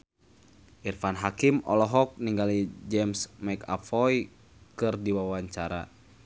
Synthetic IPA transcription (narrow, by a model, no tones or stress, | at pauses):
ʔirfanɦakimɔ̰lɔɦɔk̚niŋɡalid͡ʒɛmsmɛka̰fɔj | kɨrdiwawaɲt͡ʃaɾa̰